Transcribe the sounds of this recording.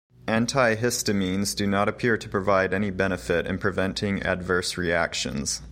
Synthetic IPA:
ʔæ̃ntʰaɪɦɪstɨmĩnzdɨnəɾɨpʰɪɹɾʰɨpʰɹ̥ɨvaɪɾɛñibɛnɨfɪɾɨ̰̃npʰɹ̥ɨvɛ̃ntʰɪ̃ŋæ̰dvɜ˞sɹiæ̰kʃɨ̰̃nz̥

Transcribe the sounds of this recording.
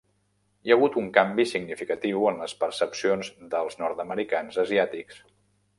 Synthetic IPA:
jəɣ̞ut̪uŋkambisiɡnifikət̪iwənləspəɾsəpsionzd̪əlˠznɔɾt̪əməɾikanzəziat̪iks

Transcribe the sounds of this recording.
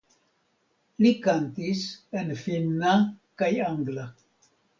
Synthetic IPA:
likant̪isenfinːakajaŋɡla

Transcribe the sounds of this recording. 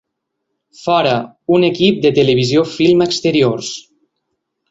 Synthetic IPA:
fɔɾə | unekip̚d̪ət̪əleβizjofilˠməkst̪əɾioɾs

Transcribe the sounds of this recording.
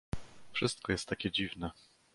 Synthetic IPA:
fʂɘst̪̚kɔjɛst̪ːakʲɛd͡ʑivnɛ

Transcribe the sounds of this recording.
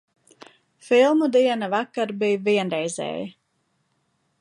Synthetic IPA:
filˠmud̪iɛnavakːaɾbijviɛnɾɛjzɛ̰ːji

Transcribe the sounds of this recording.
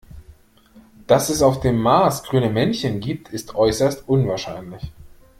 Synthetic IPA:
d̥asɛsaʊfd̥eːmːaːsɡ̥ʁyːnəmɛnçənɡiːp̚tʰɪstʰʔɔʏsɐstʔʊnvaːɐʃaɪnlɪç

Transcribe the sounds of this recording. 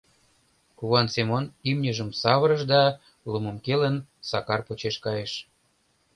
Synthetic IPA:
kuβɑnsemonimnʲəʒəmsɑβəɾəʃd̪ɑ | lumə̆mkelənsɑkɑrpot͡ɕeʃkɑjeʃ

